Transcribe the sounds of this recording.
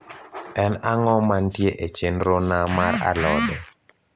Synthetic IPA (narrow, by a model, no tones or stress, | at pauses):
ɛnaŋɔmantjeʔet͡ʃenɾonamaɾa̰lɔdɛ